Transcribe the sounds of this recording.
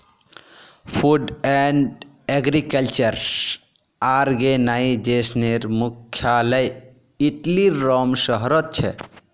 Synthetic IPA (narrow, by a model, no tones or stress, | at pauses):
pʰuɖɛɳɖ | eɡɾikəlt͡ʃəɾ | aɾɡenaid͡ʒesneɾmukʰːjaləj | iʈliɾɔmsəɦɾət̪̚t͡ʃʰɛ̰